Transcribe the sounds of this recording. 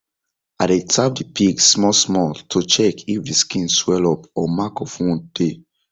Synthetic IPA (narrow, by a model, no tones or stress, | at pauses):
adetap̚dipʰiɡsmɔsmɔtʰot͡ʃɛkifdiskĩnswɛlɔpɔmakɔfɔ̃nd̥e